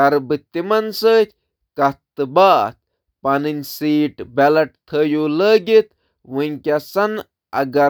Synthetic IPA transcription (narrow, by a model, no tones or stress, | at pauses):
ɐɾbɨt̪ːimɐnsəːt̪ʲ | kɐt̪ːɨbaːt̪̚ | pɐnɨnʲsiːʈbelɐʈt̪ʰəːjuləːɡit̪ | ʋuŋʲkʲɐsɐn | ɐ̰ɡɐ